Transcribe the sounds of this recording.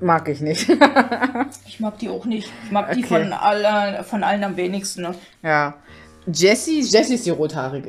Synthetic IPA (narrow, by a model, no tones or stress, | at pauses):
maːkɪçnɪçt | ʔɪçmaːk̚d̥iːaʊxnɪçtɪmaːkʔod̥iːkfɔnʔa̰ləfɔnʔalənamveːnɪçstn̩ːə | jaː | d͡ʒɛsid͡ʒɛsiɪsd̥iːʁoːtʰhaːʁɪɡə